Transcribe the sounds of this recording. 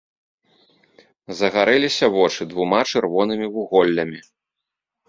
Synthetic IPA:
zɐɣaɾɛlʲisʲɐvɔt͡ʂɨd̪vumat͡ʂɨrvɔnɨmʲivuɣɔlʲːɐmʲi

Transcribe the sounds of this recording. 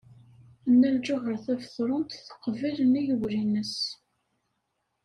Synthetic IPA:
ənːæld͡ʒʊʝəɾθæfθɾˤʊnt̪θə̥qːvilənijəwɾinəs

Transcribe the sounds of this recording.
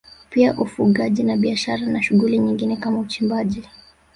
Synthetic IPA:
piaʔufuɠaʄinaɓiaʃaɾanaʃuɣuliɲiŋɡinɛkamaut͡ʃimbaʄi

